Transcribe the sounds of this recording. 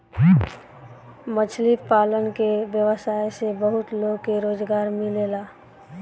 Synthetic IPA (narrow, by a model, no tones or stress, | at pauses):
mət͡ʃʰlipaːlənkeʋjəʋəsaːesebəɦʊt̪loːɡkeɾoːd͡ʒɡaːɾmɪleːlaː